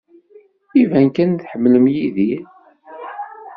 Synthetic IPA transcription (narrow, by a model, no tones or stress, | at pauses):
ivænkænθħəmːləmjiði